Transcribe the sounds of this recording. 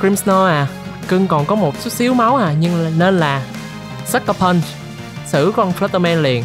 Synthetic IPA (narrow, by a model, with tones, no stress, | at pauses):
kɹi˧msnɔ˧ʔaː˨˩kɨ˧ŋkɔ˨˩nkɔ˨˦mo˨˩t̚su˦˥t̚si˨˦əwma˨˦wʔaː˨˩ɲɨ˧ŋ˨ne˧nlaː˨˩ | sa˦˥k̚ːə˧pʰə˧n | sɨ̰˧˩kɔ˧nflɛ˦˥t̪ːə˧mɛ˧nli˨˩ən